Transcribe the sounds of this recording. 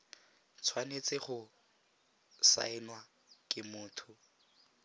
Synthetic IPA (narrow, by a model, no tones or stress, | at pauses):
t͡sʰwanet͡sɪχʊ | sa̰ɪnwa | kʼɪmʊːtʰʊ